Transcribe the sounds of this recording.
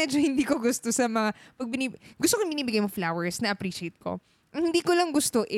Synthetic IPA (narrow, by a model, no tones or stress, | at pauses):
ɛd͡ʒohɪnd̪iːkoɡʊst̪osɐmɐŋapɐɡ̚bɪniɡʊst̪okoɪŋbɪniːbɪɡajmoflawɛɹsnɐʔɐpɾiːʃɪejt̪̚ko̞̰ | ʔɐŋhɪnd̪iːkolɐŋɡʊst̪oʔɪ